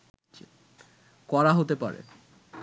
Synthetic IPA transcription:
kɔɾaɦot̪epa̰ɾḛ

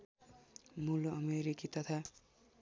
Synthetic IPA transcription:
muloʌmeɾikit̪ʌt̪ʰa

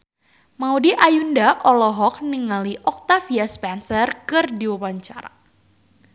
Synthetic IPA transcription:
maudiʔajundaʔɔlɔɦɔk̚niŋaliʔɔk̚t̪afiaspɛnsərkɨrdiwawaɲt͡ʃaɾa̰

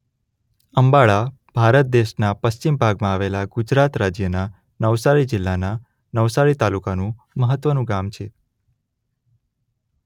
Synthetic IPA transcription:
əmbaɭa | b̥ʱaɾət̪̚d̪eʃnapəst͡ʃimbʱaɡmãaʋelaɡʊd͡ʒɾat̪ɾad͡ʒjəna | nəʋsaɾid͡ʒɪlːana | nəʋsaɾit̪alukanũ | məɦət̪ːʋənũɡamt͡ʃʰe

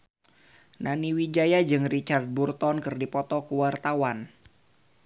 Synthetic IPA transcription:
naniwid͡ʒajad͡ʒɨŋrit͡ʃard̪̚burt̪ɔnkɨrdipɔt̪ɔkuwart̪awan

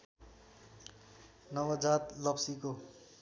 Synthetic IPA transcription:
nʌwʌd͡zat̪lʌpsiko

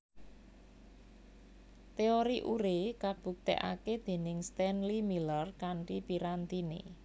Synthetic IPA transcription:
t̪eoɾiʔuɾekab̥ṳk̚t̪ḛʔa̰ked̪̥e̤nɪŋst̪ɛnlimilərkaɳʈipiɾant̪inḛ

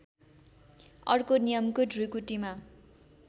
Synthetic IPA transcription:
ʌrkonijʌmkoɖʱrukuʈima

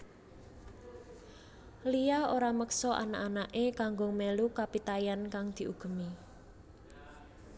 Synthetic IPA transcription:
lijaoɾaməksɔʔa̰naʔanaʔekaŋɡʊŋmelukapit̪ajankaŋd̪̥i̤ʔuɡ̥ə̤mi

